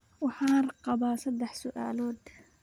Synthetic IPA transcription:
wɪħaːɾˤqɑbɑːsɑd̪aħsʊʔa̰ːloːd̪

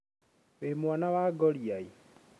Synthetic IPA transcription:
βemwanaβaɡɔljai

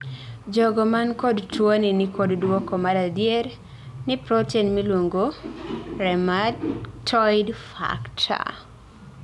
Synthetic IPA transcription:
d͡ʒɔɡɔmankodtwoninikʰoddwɔkɔmaɾadjeɾ | nɪpɾɔtinmilwoŋɡo | ɾɛmatʰɔjdfa̰ktʰa̰

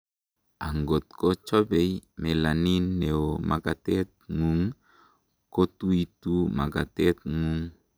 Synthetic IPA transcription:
aŋɡɔt̪̚kot͡ʃɔbejmelaninːeoma̰kat̪ɛt̪̚ŋuŋ | kot̪uit̪umaɡat̪ɛt̪̚ŋuŋ

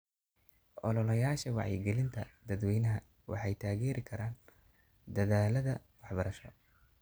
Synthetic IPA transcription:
ʔɔlɔlɐjaːʃɐwɑ̰ʕjɪɡɛlɪnt̪ʰɐd̪ɐd̪wɛjnɐɦɐ | wʔɑ̰ħɑjt̪ʰaːɣɛːɾɪkʰɐɾaːn | d̪ɐðaːlɐðɐwɑħbɐɾɐʃɔ

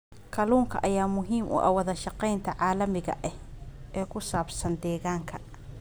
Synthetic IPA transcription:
kʰɐluːŋkʰɐ̰ʔɐjaːmʊɦiːmʔʊ̰ʔɐ̰wɐðɐʃɑqɛjnt̪ʰɐʕaːlɐmɪɣɐ̰ʔɛhɛːkʰʊsaːbsɐnd̪ɛːɣaːŋkʰɐ

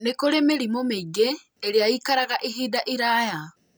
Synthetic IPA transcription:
nekoɾemeɾimomeiɡeː | ɾjajikaɾaɣaʔiɦiːdaʔiɾaːja

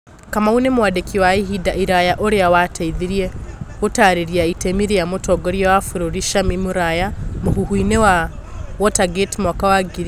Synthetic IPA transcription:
kamaunemwadekiwaiɦidaiɾajaʔoɾeawatʰaiðiɾiɛotaɾeɾiaitemiɾejamotɔɡɔɾjawafuɾoɾiʃamimuɾajamoɦuɦwinewa | wɔtaɡetimɔkawaɡiɾi

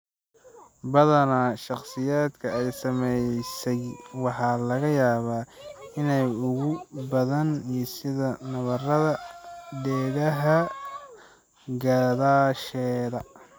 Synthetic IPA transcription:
bɐðɐnaʃɑqsɪjaːd̪kʰɐɛjsɐmɛjsɛjwɑħɑːlɐɣɐjaːβaːɪnɛjʊɣʊbɐðɐnijɞsɪðɐnɐβɐrɐðɐɖɛːɽɐɦɐ | ɡaðaːʃɛːðɐ

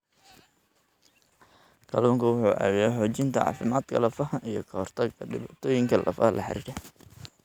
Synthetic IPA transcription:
kʰɐluːŋkʰɐwʊħuːʔæ̰ːwɪjɛħɔːt͡ʃɪnt̪ʰɐɑ̰ːfɪmaːd̪kʰɐlɐfɐhɐijɞkʰɐhɔrt̪ʰɐɡɐɖɪβaːt̪ʰɔːjɪŋkʰɐlʔɐ̰fɐlʔɐ̰ħɪ̰ɾḭːɽɛ

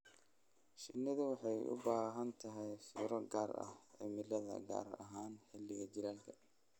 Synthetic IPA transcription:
ʃɪnːɪðɐwɑħɑjʔʊ̰baːɦɐnt̪ʰɐɦɛjfḭːɾɔɡaːɾɐ̰hʕɪ̰mɪlɐðɐ̰ɡa̰ːrɐ̰ɦaːnħɪlɪɣɐt͡ʃɪɾaːlkʰɐ̥

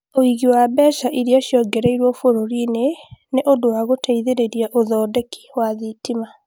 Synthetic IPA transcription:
oiɣiwabɛʃaʔiɾiaʃjɔɡɛɾɛiɾwɔfoɾoɾineneʔodowaɣotʰaiðeɾeɾiaʔoðɔːdɛki̥waðitima

